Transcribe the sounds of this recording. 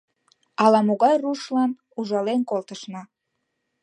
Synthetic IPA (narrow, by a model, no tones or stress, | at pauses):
ɑlɑmoɣɑjruʃlɑn | uʒɑlenkolt̪əʃnɑ